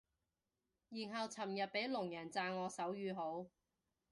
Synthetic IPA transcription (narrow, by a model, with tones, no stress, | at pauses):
jiː˨˩nɦɐ˨˧wt͡sʰɐ˨˩mjɐ˨t̚pe˨˥jlʊ˨˩ŋjɐ˨˩nt͡saː˧nŋɔː˨˧sɐ˨˥wjyː˨˧ɦo˨˥w